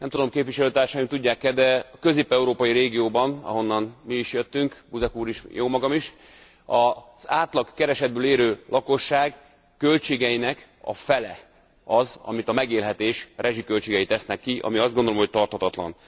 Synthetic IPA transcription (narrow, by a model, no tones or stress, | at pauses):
nɛmt̪ud̪o̞mkeːpvʋiʃɛløːt̪aːrʃaːjimt̪uɟːaːkːɛd̪ɛɒkøziːpɛuɾoːpɒjiɾeːɡijoːbɒnɒ̰ɦo̞nːɒnmiːʃjøt̪ːyŋkbuzɛkuːɾiʃjoːmɒɡɒmiʃ | ɒz̥aːt̪lɒkkɛɾɛʃɛd̪̚bøːleːɾøːlʔɒko̞ʃːaːɡ | kø̞lt͡ʃeːɡɛjinɛk | ɒ̰fɛlɛ | ɒzɒ̰mit̪ɒmɛɡeːlɦɛt̪eːʃrʔɛʒikølt͡ʃeːɡɛjit̪ɛsnɛkːiʔɒ̰miɒzdɡond̪olomɦo̞c̚t̪ɒrt̪hɒt̪ɒt̪lɒ̰n